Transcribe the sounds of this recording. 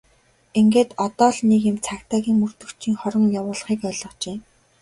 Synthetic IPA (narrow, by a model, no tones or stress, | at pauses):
eŋɡeːt̪ɔt̪ɔːɮnekemt͡sʰakt̪aːɣʲiːŋmɵr̥t̪ɵ̆kt͡ɕʰiːŋχɔɾə̆ŋjawʊːɮ̆χiːkœːɮɞ̆t͡ɕeː